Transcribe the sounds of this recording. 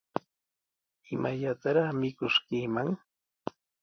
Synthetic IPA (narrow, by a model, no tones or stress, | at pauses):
ɪmaʎat̪aɾɑχmɪkʊʃkiːmaŋ